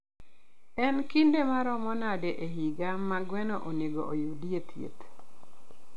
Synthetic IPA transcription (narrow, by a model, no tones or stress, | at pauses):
ɛnkindemaɾɔmɔnadɛʔeɦiɡamːaɡwɛnoʔoneɡo̰ʔojudiet̪ʰjḛt̪